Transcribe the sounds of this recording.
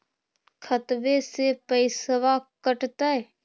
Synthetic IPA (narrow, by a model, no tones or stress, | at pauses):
kʰət̪ʋesepəɪsəʋakəʈt̪aɛ